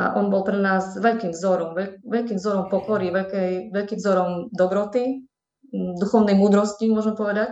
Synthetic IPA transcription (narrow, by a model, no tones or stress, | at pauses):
a̰ʔɔnbɔlpɾɛnaːzʋɛʎkiːmvzɔɾɔmʋɛʋɛʎkiːmvzɔɾɔmpɔkɔɾiʋɛʎkɛjʋɛʎkiːmvzɔɾɔmd̪ɔbɾɔt̪i | d̪uxɔʊnɛjmuːd̪ɾɔscimʊɔʒɛmɛpɔʋɛd̪ac